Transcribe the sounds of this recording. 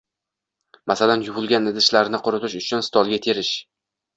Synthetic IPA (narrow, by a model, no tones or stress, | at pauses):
masalanjʊbʊlˠɡʲanɪd̪ɪʃlaɾnɪqʰoɾʊt̪ʰɪʃʊt͡ʃʰʊnst̪ʰɒlˠɡʲat̪ʰe̞ɾɪʃ